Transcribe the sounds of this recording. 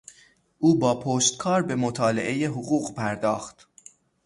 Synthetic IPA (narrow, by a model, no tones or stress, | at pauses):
ʔuːbɒːpʰoːʃt̪̚kʰɒːɾbe̞mot̪ʰɒːle̞̰ʔe̞jeɦoɣuːɣpʰæɾd̪ɒːxt̪